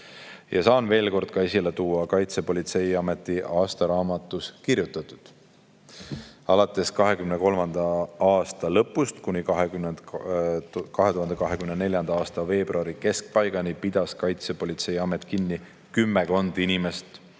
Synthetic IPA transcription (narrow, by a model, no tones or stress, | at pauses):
jɑsɑːnve̞ːlko̞rd̪̥̚kɑesilet̪uːɑkɑjt̪se̞po̞lʲit̪se̞jɑme̞t̪ːˑiɑːst̪ɑɾɑːmɑt̪ːˑuskirjut̪ːˑɑt̪ːˑud̪̥ | ɑlɑt̪ːˑe̞skɑɦe̞kymneko̞lmɑnd̪̥ɑɑːst̪ɑlɤpːˑust̪kunikɑɦe | kɑɦet̪uhɑnd̪ekɑɦekymnene̞ljɑnd̪̥ɑɑːst̪ɑve̞ːb̥ruɑɾike̞sk̚pɑjɡ̥ɑnipid̪̥ɑskɑjt̪se̞po̞lʲit̪se̞jɑme̞t̪ˑkinːi | kymːeko̞nd̪̥inime̞st̪